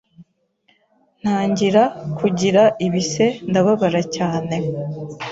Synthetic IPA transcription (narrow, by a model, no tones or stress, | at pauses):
n̥haːɲɟiɾakʰuɟiɾaʔiβise̞ndaβaβaɾacaːne̞